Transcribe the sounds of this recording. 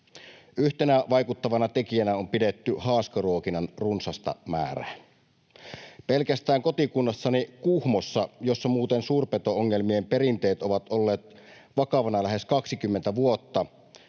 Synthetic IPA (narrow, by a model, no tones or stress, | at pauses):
yht̪enæʋɑjkut̪ːɑʋɑnɑt̪ekijænæompidet̪ːyhɑːskɑruokinɑnrunsɑst̪ɑ̰mæ̰ːræ̰n | pelkæst̪æːŋko̞t̪ikunːɑsːɑnikuhmosːɑjosːɑmuːt̪ensuːrpet̪ooŋːelmiemperint̪eːt̪oʋɑt̪olːeːt̪ | ʋɑkɑʋɑnɑlæheskɑksikymːent̪æʋuot̪ːɑ